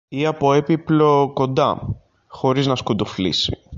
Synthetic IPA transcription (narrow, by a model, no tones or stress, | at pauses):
iɐpo̞epiplo̞ko̞nd̪ɐ̰ | xo̞ɾiznɐskud̪oflḭsḭ